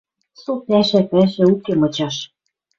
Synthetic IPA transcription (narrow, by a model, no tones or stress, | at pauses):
sopæʃæpæʃæ̆ukemɤ̆t͡ɕɑʃ